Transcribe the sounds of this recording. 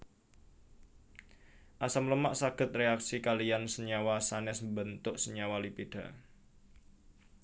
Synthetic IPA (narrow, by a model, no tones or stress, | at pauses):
ʔasamləmaʔsaɡ̥ə̤t̪̚reaksikaliansəɲawasanɛsbənt̪ʊʔsəɲawalipiɖ̥a̤